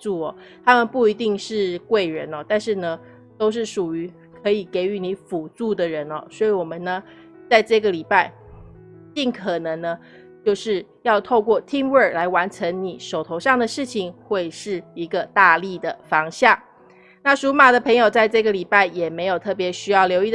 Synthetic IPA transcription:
t͡su˥˩ɔ˨˩ | t̪ʰa˥mə˨npu˥˩i˧˥t̪i˥˧ŋʂɻ̩˥˧kwe˥˩ɪɻə˧˦nɔ˨t̪a˥˧nʂɻ̩˥˩nə˩ | t̪o˥ʊʂ̬ɻ̩˥˩ʂu˨˩y˧˥ | kʰɤ˧˥i˨˩ke˧˥ɪy˧˥ni˧˥fu˨˩t͡su˥˩d̪ə˨˩ɻə˧˥nɔ̰˨˩swɔ˧˥i˧˩wɔ˨˩mə˦nə˩ | t͡sa˥˧ɪʈ͡ʂɤ˥˩ɡə˩li˨˩pa˥˧ɪ | t͡ɕi˥˩ŋkʰə˨˩nə˧˦˥ŋnə˧ | t͡ɕjo˥˧ʊʂɻ̩˥˧ | jɑ˥˧ʊt̪ʰo˥˧ʊkwɔ˥˩t̪ʰi˥mwə˥˨˩la˧˥ɪwa˧˥nʈ͡ʂʰə˧˥ŋni˨˩ʂo˨˩ʊt̪ʰo˧˥ʊʂɑ˥˩ŋd̪ə˩ʂɻ̩˥˩t͡ɕʰi˨˩ŋxwe˥˧ɪʂɻ̩˥˩i˧˥ɡə˧t̪a˥˧li˥˩d̪ə˩fɑ˧˥ŋɕja˥˩ŋ | na˥˩ʂu˧˦˥ma˨˩d̪ə˩pʰɤ˧˥ŋjo˨ʊt͡sa˥˧ɪʈ͡ʂɤ˥˩ɡə˨˩li˨˩pa˥˩ɪjɛ˨˩me˧˥ɪjo˨˩ʊt̪ʰɤ˥˩p̬jɛ˧˥ɕy˥jɑ˥˩ʊljo˧˥ʊi˥˩

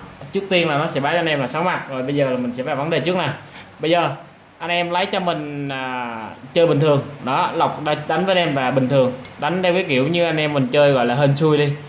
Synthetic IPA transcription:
t͡ɕɨ˦˥k̚t̪i˧ənlaː˨˩nɔ˨˦sɛ̰˧˥ɓaː˨˦t͡ɕɔ˧nʔɛ˧mlaː˨˩sa˨˦wŋ͡mma˨˩t̚zo˨˩jɓə˧jzəː˨˩laː˨˩mï̟˨˩sɛ̰˧˥ɓaː˨˧˩və˨˦nɗe˨˩t͡ɕɨ˦˥k̚na˨˩wɓə˧jzəː˨˩ | ʔa˧jnʔɛ˧mlə˨˦jt͡ɕɔ˧mï˨˩ŋ̟aː˨˩t͡ɕəː˧jɓï˨˩ŋ̟t̪ʰɨ˨˩əŋɗɔ˨˦la˨˩wk͡p̚ɗɗa˨˦ŋ̟vəː˨˦˧nʔɛ˧mvaː˨˩ɓï˨˩ŋ̟t̪ʰɨ˨˩əŋɗa˨˦jŋ̟t̪ʰwkəː˨˦ki˧˩əwɲɨ˧ʔa˧jnʔɛ˧mːï˨˩ŋ̟t͡ɕəː˧jɣɔ̰˧˨laː˨˩ɦə˧nsu˧jɗi˧

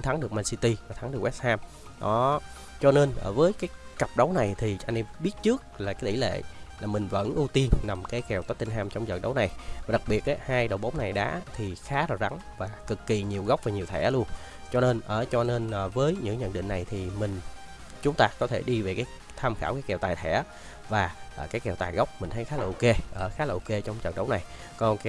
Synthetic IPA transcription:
t̪ʰa˨˦ŋɗɨ˨˩ək̚ma˧˩nsi˧t̪i˧vaː˨˩t̪ʰa˨˦ŋɗɨ˨˩əkw̚haː˧m | ɗɔ˨˦ | t͡ɕɔ˧ne˧nʔəː˧˩vəː˨˦jkaː˨˦jkə˨˩p̚ɗə˨˦wna˨˩jt̪ʰi˨˩ʔa˧ŋnʔɛ˧mɓi˦˥ət̚t͡ɕɨ˦˥ək̚laː˨˩kaː˨˦t̪ḭ˧˩˦lḛ˧˨laː˨˩mï˨˩ŋ̟və̰˧˥nʔu˧t̪i˧ənna˨˩mkaː˨˦jkɛ˨˩wt̪ə˦˥t̚t̪i˧n̟ɦaː˧mt͡ɕɔ˧wŋ͡mzə̰˨˩ɗə˨˦wna˨˩jvaː˨˩ɗa˨˩k̚ɓi˨˩ət̚ʔaː˨˦haː˧jɗə˨˩wɓə˨˦ŋ͡mna˨˩jɗa̰ː˧˥t̪ʰi˨˩xaː˨˦ɾaː˨˩za˨˦ŋ | vaː˨˩kɨ˨˩kːi˨˩ɲi˨˩əwɣa˦˥wk͡p̚vaː˨˩ɲi˨˩wt̪ʰɛ̰˧˩lu˧ən | t͡ɕɔ˧ne˧nʔəː˧˩t͡ɕɔ˧ne˧nʔːvəː˨˦jɲɨ̰˧˥ŋɲə̰˧˨nɗḭ̈˧˨ŋ̟na˨˩jt̪ʰi˨˩mï˨˩ŋ̟ | t͡ɕʊ˨˦ŋ͡mt̪aː˧kɔ˨˦t̪ʰe˧˩ɗi˧ve˨˩kaː˨˦j | t̪ʰaː˧mxaː˧˩wkaː˨˦kɛ˨˩wt̪aː˨˩jt̪ʰɛ̰˧˩ | vaː˨˩ʔːkaː˨˦jkɛ˨˩wt̪aː˨˩jɣə˦˥wk͡p̚mï˨˩ŋ̟t̪ʰə˨˦jxaː˨˦laː˨˩ʔke˧ʔəː˧˩xaː˨˦laː˨˩ʔo˧ke˧t͡ɕɔ˧wŋ͡mzə̰˨˩ŋ̚ɗə˨˦wna˨˩j | kɔ˧nk

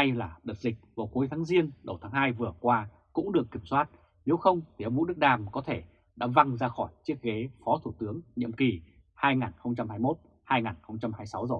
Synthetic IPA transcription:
a˧jlaː˨˩ɗə˨˩t̚zï˨˩k̟̚vaː˨˩wku˨˦jt̪ʰaː˨˦ŋzi˧ənɗə˨˩wt̪ʰaː˨˦ŋɦaː˧jvɨ˨˩əkwaː˧ | kʊ̰˧˥ŋ͡mɗɨ˨˩əkːi˧˩əmswaː˦˥t̚ | ne˨˦wxə˧wŋ͡mt̪ʰi˨˩ʔə˧wŋ͡mvṵ˧˥ɗɨ˦˥k̚ɗaː˧˩mkɔ˨˦t̪ʰe˧˩ | ɗa̰ː˧˥va˧ŋzaː˧xɔ˧˩jt͡ɕi˦˥ət̚ɣe˨˦fɔ˨˦t̪ʰu˧˩t̪ɨ˨˦əŋɲḭ˧˨əmki˨˩ | haː˧jŋaː˨˩nxə˧wŋ͡mt͡ɕa˧mhaː˧jmo˦˥t̚ | haː˧jŋaː˨˩nxə˧wŋ͡mt͡ɕa˧mhaː˧jsa˨˦wzəː˨˩

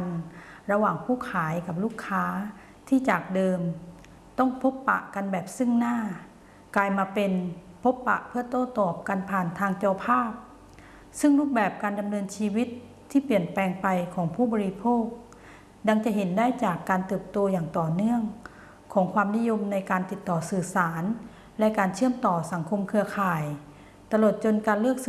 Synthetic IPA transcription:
nɾa˧waː˨˩ŋpʰuː˥˩kʰaː˩˦jka˨˩p̚luː˥˩kʰːaː˦˥ | t̪ʰiː˥˩t͡ɕaː˨˩k̚dɤː˧m | t̪ɔ˥˩ŋpʰo˦˥pːa̰˨˩ʔka˧nbɛː˨˩p̚sɯ˥˩ŋnaː˥˩ | kaː˧jmaː˧pe˧n | pʰo˦˥pːa̰˨˧˩ʔpʰɯ˥˩ɐt̪oː˥˩t̪ɔː˨˩p̚ka˧npʰaː˨˩nt̪ʰaː˧ŋt͡ɕa˧pʰaː˥˩p̚ | sɯ˥˩ŋluː˥˩k̚bɛː˨˩p̚kaː˧nda˧mnɤː˧nt͡ɕʰiː˧wi˦˥t̪ʰː | iː˧˥˩pi˨˩ənpɛː˧ŋpa˧jkʰɔː˩˦ŋpʰuː˥˩bɔː˧ɾi˧pʰoː˥˩k̚ | da˧ŋt͡ɕa˨˩˨ɦe˩˨˦ndaː˥˩jt͡ɕaː˨˩kːaː˧nt̪ɤː˨˩p̚t̪o˧jaː˨˩ŋt̪ɔː˨˩nɯ˥˩əŋ | kʰɔː˩˦ŋkʰwaː˧mni˦˥˨jo˧mna˧jkaː˧nt̪i˨˩t̪ːɔː˨˩sɯː˨˩saː˩˦n | lɛ˦˧˥ʔkaː˧nt͡ɕʰɯ˥˩əmt̪ɔː˨˩sa˨˩˦ŋkʰo˧mkʰɯ˧ɐkʰaː˨˩j | t̪a˧lo˨˩t̪̚t͡ɕo˧nkaː˧nlɯ˥˩ək̚s

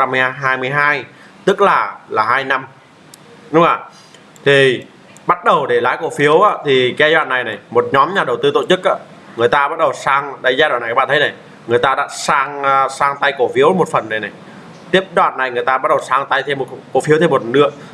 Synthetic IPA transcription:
a˧mɨ˧˨˧jɦaː˧jmɨ˧˩əjɦaː˧j | t̪ɨ˦˥k̚laː˨˩laː˨˩ɦaː˧jna˧m | ɗʊ˨˦ŋ͡maː˨˩ | t̪ʰi˨˩ | ɓa˦˥t̚ɗə˨˩wɗe˧˩laː˨˦jko˧˩fi˨˦əwʔaː˨˧˦t̪ʰi˨˩ka˧˦jzwa̰ː˧˨nːa˨˩jna˨˩jmo˨˩t̚ɲɔ˨˦mɲaː˨˩ɗə˨˩wt̪ɨ˧t̪o̰˧˨t͡ɕɨ˦˥k̚ʔa̰ː˧˦ | ŋɨ˨˩əjt̪aː˧ɓa˦˥t̚ɗə˨˩wsaː˧ŋɗə˨˧˦jzaː˧ɗn˨˩kːaː˦˥ɓa̰ː˧˨t̪ʰjna˨˩j | ŋɨ˨˩əjt̪aː˧ɗa̰ː˧˥saː˧ŋː˧saː˧ŋt̪a˧jko˧˩fi˨˦əwmo˨˩t̚fə˨˩nːə˨˩jna˨˩j | t̪i˦˥əp̚ɗwa̰ː˧˨nːa˨˩jŋɨ˨˩əjt̪aː˧ɓa˦˥t̚ɗə˨˩wsaː˧ŋt̪a˧jt̪ʰe˧mːo˨˩tko˧˩fi˨˦wt̪ʰe˧mo˨˩t̚nɨ̰˧˥ə

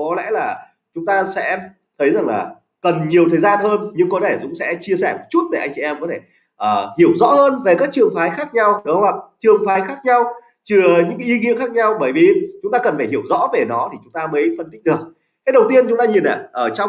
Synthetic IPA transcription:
kɔ˨˦lɛ̰˧˥laː˨˩ | t͡ɕʊ˨˦ŋ͡mt̪aː˧sɛ̰˧˥ | t̪ʰə˨˦jza˨˩ŋla̰ː˨˩ | kə˨˩nɲi˨˩əwt̪ʰəː˨˩jzaː˧nhəː˧nɲɨ˧ŋkɔ˨˦t̪ʰe˧˩zʊ̰˧˥ŋ͡msɛ̰˧˥t͡ɕi˧əsɛ˧˩mo˨˩t̚t͡ɕu˦˥t̚t̪a̰ː˧˩ʔa˧jŋ̟t͡ɕi˧˨ʔɛ˧mkɔ˨˦t̪ʰe˧˩ | ʔəː˨˩hi˧˩əwzɔ̰˧˥həː˧nve˨˩kaː˦˥k̚t͡ɕɨ˨˩əŋfaː˨˦jxaː˦˥k̚ɲa˧wɗə˨˦wa˨˩k̚t͡ɕɨ˨˩əŋfaː˨˦jxaː˦˥k̚ɲa˧w | t͡ɕɨ˨˩əɲɨ̰˧˥ŋkaː˨˦ʔi˧ŋḭ˧˥ənxaː˦˥k̚ɲa˧wɓəː˧˩jvi˨˩t͡ɕʊ˨˦ŋ͡mt̪aː˧kə˨˩nfaː˧˩jɦi˧˩əwzɔ̰˧˥ve˨˩nɔ˨˦t̪ʰi˨˩t͡ɕʊ˨˦ŋ͡mt̪aː˧mə˨˦jfə˧nt̪i˦˥k̟̚ɗɨ˨˩ək̚ | ka˨˦ɗə˨˩wt̪i˧ənt͡ɕʊ˨˦ŋ͡mt̪aː˧ɲi˨˩nʔa̰ː˧˨ʔəː˧˩t͡ɕɔ˧ŋ͡m

